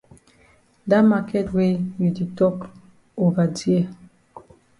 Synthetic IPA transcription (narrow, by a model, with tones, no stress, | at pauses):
da˦ma˨kɛ˦twe˦ji˨di˨tɔ˦k | o˨va˨di˦ɛ˦˨